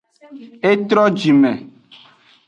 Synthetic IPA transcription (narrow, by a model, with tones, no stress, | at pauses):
e˦t̪ɾɔ˦d͡ʒi˨mɛ˨